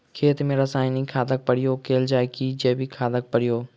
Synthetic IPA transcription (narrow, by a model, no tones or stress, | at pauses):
kʰeːt̪mẽɾɐsaːɪnikʰaːd̪ək̚pɐɽijoːkeːld͡ʒaːɪkid͡ʒɐːbikʰaːd̪ək̚pɐɽɪjoː